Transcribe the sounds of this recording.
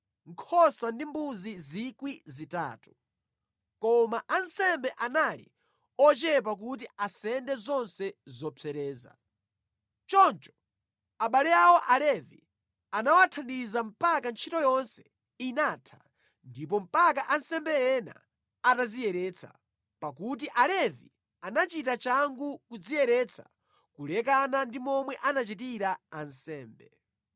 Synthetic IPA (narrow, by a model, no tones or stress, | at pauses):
ŋkʰɔsandimbuzizikwizita̰ːtu̥ | kɔmaʔansɛmbɛʔanalḭ | ɔt͡ʃɛp̬ak̬ut̬iasɛndɛzɔnsɛzɔt͡sʰɛɾɛːza̰ | t͡ʃɔnt͡ʃɔ̥ | aɓalɛawɔʔalɛvḭ | anawatʰandizam̩pakant͡ʃʰitɔjɔnsɛ̥ | inatʰḁ | ndip̬ɔm̩pakaʔansɛmbɛjɛna̰ː | tazijɛɾɛːt͡sʰa̰ | pakut̬iʔalɛvḭ | anat͡ʃitat͡ʃaŋɡukud͡zijɛɾɛt͡sʰḁ̰ | kulɛkanandimɔmwɛʔanat͡ʃit̬iɾaːnsɛːmbɛ